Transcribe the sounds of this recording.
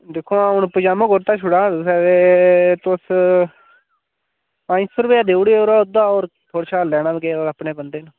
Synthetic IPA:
d̪eːkʰːoːaːʊnpəd͡ʒaːmõːɡoɾt̪aːt͡ʃʰʊɽaːʊsɛːet̪ʊs | ãːĩsoːɾpeaːd̪eːɽeoɾaːʊd̪aːoːɾt̪ʰoːɽt͡ʃʰaːlɛːnaːbkeːoːɾapɳeːbənd̪eːnː

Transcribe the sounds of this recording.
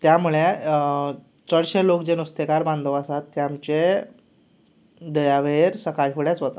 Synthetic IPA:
t̪jamuɭe | t͡səɽɕelokd͡ʑenust̪ekaɾbãnd̪ʱəʋasat̪ːeamt͡ɕe | d̪əjaʋeɾsəkaʈfuɽjat͡sʋət̪a

